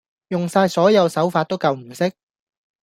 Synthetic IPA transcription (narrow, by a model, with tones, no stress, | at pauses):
jʊ˨ŋsaː˧jsɔː˨˥jɐ˨˧wsɐ˨˥wfaː˧t̚t̪o˥wkɐ˨˧wm̩˨˩sɪ˥k̚